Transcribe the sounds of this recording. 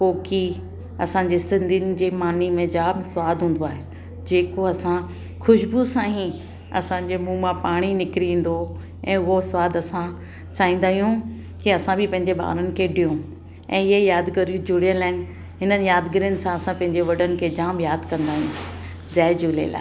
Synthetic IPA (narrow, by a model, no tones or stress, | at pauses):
koːki | ɐ̰sãɲd͡ʑeːsɪ̃nd̪ʱinɪ̆d͡ʑeːmaːnimẽd͡ʑaːmsʋaːd̪ʱɦũːn̆d̪oaːɦe | d͡ʑeːkoɐsã | xʊʃbusãːɦĩ | ɐ̰sãd͡ʑeːmũːmãpaːɽ̃inɪkɾiĩːn̆d̪o | ɛ̃ːʊɦosʋaːd̪ɐsã | t͡ɕaːĩːn̆d̪aːɦijũ | kiɐsãbɪpɐ̃ɦɪ̃ɲd͡ʑeɓa̰ːɾənɪ̆kʰeːɖijũ | ɛ̃ːɪɦejaːd̪kɐɾijũd͡ʑʊɽijənlaːɪn̆ | ɦɪnənɪ̆jaːd̪ɡɪɾiənɪ̆sãɐsãpɐ̃ɦɪ̃ɲd͡ʑeʋɐɖənɪ̆kʰeːd͡ʑaːmjaːd̪kɐ̃nd̪aːɦijũ | d͡ʑaːɪd͡ʑuːlḛla̰ːe